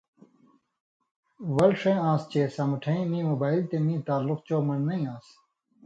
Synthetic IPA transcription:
ʋɐlʂẽːãːst͡ɕeːsɐ̃mɐʈʰɐ̃ĩmĩːmoːbaːilt̪emĩːt̪aːluqt͡ɕoːmɐnːɐĩãːs

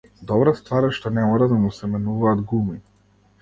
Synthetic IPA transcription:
d̪ɔbɾast̪vaɾɛʃt̪ɔnɛmɔɾad̪amusɛmɛnuvaːd̪ɡumi

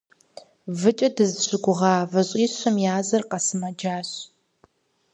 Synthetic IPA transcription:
vɨt͡ʃʼɐdɨzɕʷɪɡʷʊʁɑːvɐɕʼiːɕʷɐmjaːzɐrqɐsɨmɐd͡ʒaːɕ

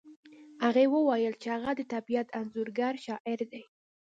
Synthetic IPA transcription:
haɣewəwajəlt͡ʃehaɣad̪ət̪abijat̪ʰanzuɾɡaɾʃɑʔɪɾd̪ej

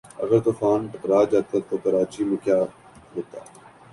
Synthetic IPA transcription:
ə̰ɡəɾt̪oːfaːnʈəkɾaːd͡ʒaːt̪at̪oːkəɾaːt͡ʃiːmukjaː | ɾoːt̪a̰ː

